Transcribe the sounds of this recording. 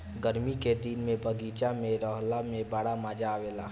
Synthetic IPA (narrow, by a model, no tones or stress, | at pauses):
ɡəɾmiked̪inmẽbəɡiːt͡ʃamẽɾɔːɦlamẽbəɽaməd͡ʒaʋeːlaː